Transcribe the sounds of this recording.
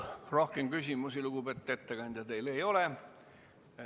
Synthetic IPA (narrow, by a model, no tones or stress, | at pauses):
ro̞hke̞mkysʲimusiluɡ̥ube̞t̪ːe̞t̪ːe̞ɡɑnʲd̪ʲjɑt̪e̞jle̞jo̞le